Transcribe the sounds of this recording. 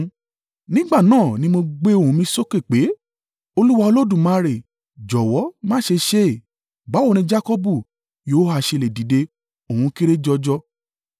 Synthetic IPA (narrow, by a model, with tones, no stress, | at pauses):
nĩ˦ɡ͡ba˦˨nãː˦˨nĩ˧˦mo˧ɡ͡be˦o˦˨ũ˧˦mĩ˧so˦ke˦˨k͡pe˨˦ | o˧lu˦wa˧o˧lo˦dũ˦˨mã˦˧ɾe˨ | d͡ʒɔ˨wɔ˨˦mãː˦ʃe˧ʃe˦˨ | ba˨˦o˦˨nĩ˧d͡ʒa˦kɔ˦bu˦˨ | joː˨˦ha˧˨ʃe˧˨le˨di˨de˧ | o˨ũ˧ki˦ɾe˦d͡ʒɔ˧d͡ʒɔ˧